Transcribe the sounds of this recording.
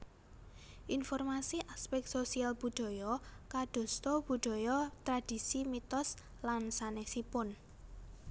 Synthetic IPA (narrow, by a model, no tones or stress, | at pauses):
ʔinfɔrmasiʔaspɛk̚t̪sosialb̥ṳɖ̥ɔ̤jɔkaɖ̪̥ɔ̤st̪ɔb̥ṳd̪̥ɔ̤jɔt̪ɾad̪̥i̤simit̪ɔs | lansanɛksipʊn